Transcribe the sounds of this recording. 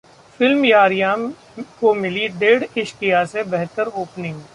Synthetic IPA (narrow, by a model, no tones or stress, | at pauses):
fɪlmjaːɾijã | komɪliɖeːɖɪʃkɪjasebɛɦt̪əɾoːpnɪ̃ŋɡ